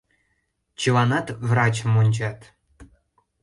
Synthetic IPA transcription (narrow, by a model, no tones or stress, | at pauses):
t͡ɕilˠɑnɑt̪vrɑt͡ɕəmonʲd͡ʑɑt̪